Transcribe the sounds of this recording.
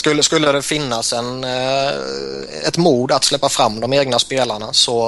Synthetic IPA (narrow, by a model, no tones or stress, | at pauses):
skɵlːəskɵlːəd̪ɛfɪnːasɛn | ɛt̪muːd̪at̪slɛpːafɾamːd̪ɔmeːɡnaspeːlaɳasɔ